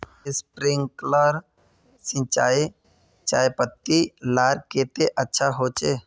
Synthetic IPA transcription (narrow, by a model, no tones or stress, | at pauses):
spɾɪ̃ŋɡkləɾ | sɪ̃nt͡ʃaːi | t͡ʃaːjpət̪ːilaːɾkeːt̪eʔətːʃʰaɦot͡ʃeː